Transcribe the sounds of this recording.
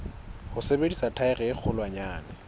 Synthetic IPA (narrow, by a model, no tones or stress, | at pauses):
hʊsebedisatʰaɪrɛɪk͡xʰʊlwaɲaːna